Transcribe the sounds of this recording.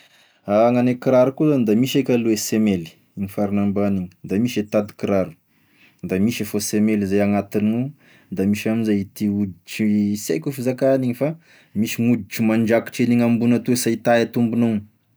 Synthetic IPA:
aŋanekɾaɾukuzanid̪amiʃekʲaluesemeli̥ | iŋifaɾinambaniŋi̥d̪amiʃet̪ad̪i̥kiɾaɾu̥ | d̪amiʃefosemelizajaŋat̪inimu | d̪amiʃaminzait̪iud̪iʈ͡ʂisḛkʲufizakaniɲifa | miʃimud̪i̥ʈ͡ʂimaɳɖ͡ʐaki̥ʈ͡ʂeniŋambunat̪uesait̪aet̪umbunun

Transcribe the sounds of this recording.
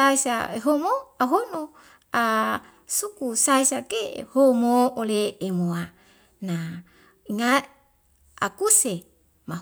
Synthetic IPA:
aisa̰eɦomoaɦono | a | sukusaisakḛhomooleemoa | na | iŋa | a̰kuse | ma

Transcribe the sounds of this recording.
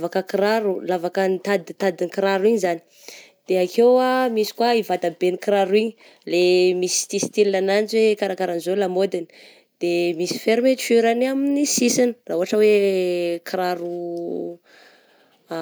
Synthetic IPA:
vakəkiɾaɾulavakant̪ad̪it̪ad̪inikiɾaɾuiɲzani̥ | d̪̥eakʰewamisi̥kwaivad̪abenikiɾaɾuiɲi | lemisi̥t̪isi̥t̪ilinanant͡siwekaɾakaɾanizolamod̪ini̥ | d̪̥emisi̥feɾimet͡ʃiɾanaminisisini̥rauɦaʈ͡ʂəwe | kʰiɾaɾu

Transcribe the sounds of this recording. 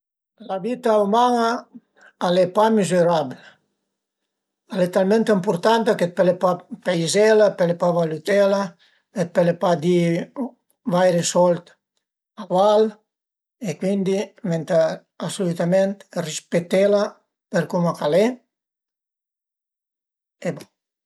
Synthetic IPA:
laβit̪aumaŋa | alepamizuɾabl | alet̪almẽnt̪impuɾt̪ant̪aket̪̚pelepapajzɛlapelepavalut̪ɛla | et̪̚pelepad̪i | vajɾesɔlt̪ | aval | ekwind̪iment̪a | asulut̪ament̪rispet̪ela | peɾkumakale | eb

